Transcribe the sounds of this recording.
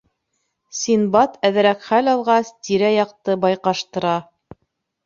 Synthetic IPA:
sinbɑt̪ʰæðɘ̆ɾækχælɑlˠʁɑst̪iɾæjɑqt̪ɤbɑjqɑʃt̪ɤ̆ɾɑ

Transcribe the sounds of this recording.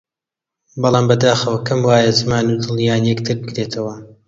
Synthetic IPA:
bɑlˠɑːmbɐd̪aːxɐwɐkɐmwaːjɐzɨmaːnud̪ɨlˠjaːnjɛkt̪ʰɨɾbɨkɾet̪ʰɐwɐ

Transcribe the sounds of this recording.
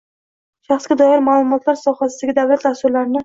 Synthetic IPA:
ʃaχsɡʲad̪ɒjɪɾmaːlˠʊmɒt̪laɾsɒhasɪd̪aɡʲɪd̪avlat̪d̪ast̪ʊɾlaɾɪnɪ

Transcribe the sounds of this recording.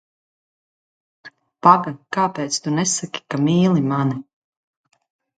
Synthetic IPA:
paɡakaːpeːt̪st̪unɛsakʲi̥kamiːlˠimani

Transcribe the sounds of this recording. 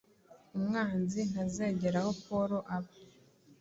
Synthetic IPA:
umŋaːnzin̥haze̞ːɟe̞ɾaho̞poɾo̞ʔaβa

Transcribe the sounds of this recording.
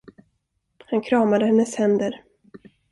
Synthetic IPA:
hankʰɾɑːmad̪əhɛnːəshɛnd̪əɾ

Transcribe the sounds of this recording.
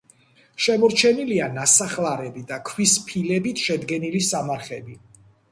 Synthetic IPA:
ʃɛmɔɾt͡ʃʰɛnilianasaχlaɾɛbid̪akʰwispʰilɛbit̪ʰʃɛd̪ɡɛnilisamaɾχɛbi

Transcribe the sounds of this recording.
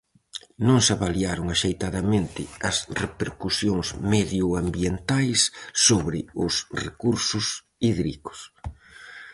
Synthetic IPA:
nõŋsaβaliaɾʊŋaʃejt̪aðɐmẽnt̪ɪɐsrepeɾkusjoŋsmeðjʊambjent̪ajsːoβɾɪʊsrḛkuɾsʊs | iðɾḭkʊ̥s

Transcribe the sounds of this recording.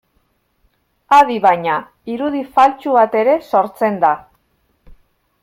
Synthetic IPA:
aðiβaɲa | iɾuðifalt͡ʃuβat̪e̞ɾe̞so̞ɾt͡se̞nd̪a

